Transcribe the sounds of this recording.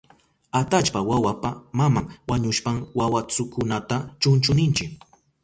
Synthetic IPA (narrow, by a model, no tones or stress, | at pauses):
at̪at͡ʃpawawapamamaŋwaɲʊʃpaŋwawat͡sʊkʊnat̪at͡ʃʊnt͡ʃʊnɪnt͡ʃɪk